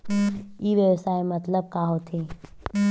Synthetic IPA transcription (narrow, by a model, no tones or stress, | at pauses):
iʋjəʋsaːemɐt̪ləb̚kaːɦot̪ʰeː